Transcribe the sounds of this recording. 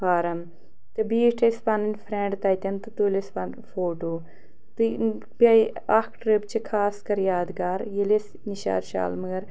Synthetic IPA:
paːɾɐm | t̪ɨbiːʈʰespanɐnʲfʰɾẽːɳɖt̪ɐːjt̪ʲɐnt̪ɨt̪uːlespɐn | foːʈoː | t̪ɨ | bʲa | ɐkʰʈɾip̚t͡ʃʰikʰaːskɐɾjaːd̪ɡaːɾjiles | niʃa̰ːɾʃa̰ːlmɐɡɐɾ

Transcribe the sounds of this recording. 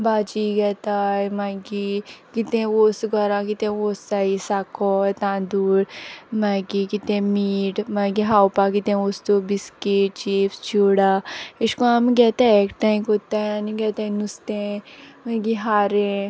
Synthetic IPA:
baːd͡ʒiɡɛːt̪aːjmãɡikit̪ẽoːsɡɔɾãkit̪ẽoːsaːisaːkɔt̪ãd̪uːɽmaːɡikit̪ẽmiːʈmaːɡiɦaːwpakit̪ẽoːst̪obiskeʈ̚t͡ʃiːpst͡ʃoːɽaːiʃkoamɡɛːt̪eekʈãĩkoːt̪ãaniɡɛt̪ẽnust̪ẽmãɡiɦaːɾẽ

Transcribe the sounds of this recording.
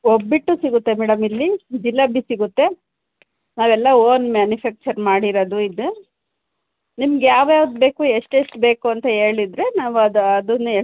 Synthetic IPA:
obːiʈːusiɡut̪ːe̞mɛːɽɐmilːid͡ʒilːɐbisiɡut̪ːe̞ | naːʋɛlːɐoːnmaːnjufaːk̚t͡ʃɐɾmaːɽiɾod̪uid̪ːu | nimɐɡjaːʋjaːʋd̪be̞ːkuːeʂʈeʂʈbe̞ːkuɐnt̪ɐe̞ːɭid̪ɾe̞naːʋuɐd̪uɐd̪un

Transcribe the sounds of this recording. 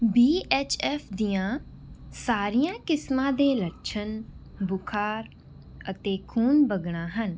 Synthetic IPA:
biːʔɛːt͡ʃʰɛːpʰd̪ijãːsaːɾijãːkɪsmãːd̪eːləʈt͡ʃʰənbʊkʰaːɾ | ət̪eːkʰuːnbəɡɳãːɦən

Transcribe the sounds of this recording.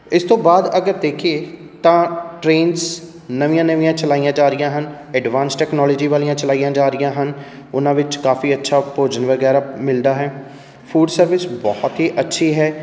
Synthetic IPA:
ɪst̪õːbaːd̪əɡəɾd̪eːkʰieː | t̪ãːʈɾeːns | nəʋijãːnəʋĩjãːt͡ʃəlaːijãːd͡ʒaːɾɪjãːɦən | ɛɖʋãːnsʈɛːknɔːlɔːd͡ʒiːʋaːlijãːt͡ʃəlaːijãːd͡ʒaːɾɪjãːɦən | ʊnãːʋɪt͡ʃkaːfiːətːʃʰaːpoːd͡ʒənʋəɡɛːɾaːmɪld̪aːɦɛː | pʰuːɖsəɾʋɪsbɔːhɔt̪ɦiːʔətːʃʰiːɦɛː

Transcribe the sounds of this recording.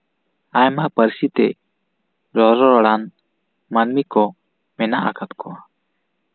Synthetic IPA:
ajmapəɾsit̪ɛ | ɾɔɾɔɾɔɽan | manmikɔ | mɛnaʔa̰kʰat̪kʰɔa

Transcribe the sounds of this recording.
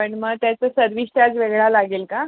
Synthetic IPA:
pəɳməɡt̪jat͡səːsəɾʋiɕʈ̪jad͡zʋeɡɭalaɡeːlka

